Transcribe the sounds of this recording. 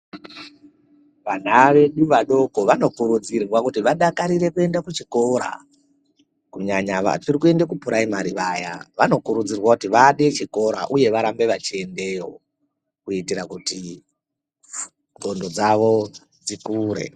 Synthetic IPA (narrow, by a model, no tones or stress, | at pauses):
ʋan̤aʋe̞ɗuʋaɗo̞koʋano̞kuɾud͡zirwakutiʋaɗakaɾiɾe̞kue̞ndakut͡ʃiko̞ɾa̰ | kuɲaɲaʋa̰tirikue̞ndakupuɾaimaɾiʋaːjaʋano̞kuɾud͡zirwakutiʋaɗe̞t͡ʃiko̞ɾa̰ʔuje̞ʋaɾambe̞ʋat͡ʃie̞nde̞ːɦo̞̰ | kuitiɾakuti | ŋɡʱo̞ndo̞d͡zaʋo̞ | d͡zikuːɾe̞̰